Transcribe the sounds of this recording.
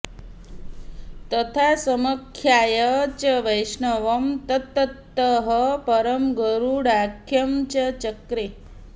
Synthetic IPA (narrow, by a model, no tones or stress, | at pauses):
t̪ət̪ʰasəməkʰjajət͡ʃəʋəjʂɳəʋəmt̪ət̪ːət̪ːəɦəpəɾəmɡəɾuɽakʰːjɐmt͡ʃət͡ʃəkɾe